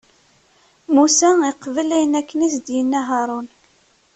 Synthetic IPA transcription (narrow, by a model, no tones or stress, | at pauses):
musæiqːvəlæjənækːənisd̪jənːæɦɑɾˤon